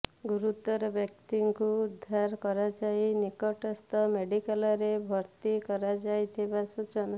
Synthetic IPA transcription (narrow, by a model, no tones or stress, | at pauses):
ɡuɾut̪ɔɾɔbjɔk̚t̪iŋkuːd̪ʱːaɾkɔɾad͡ʒajnikɔʈɔst̪ɔmeɖikalɔɾebʱɔɾt̪ikɔɾad͡ʒajt̪ʰibasut͡ʃɔna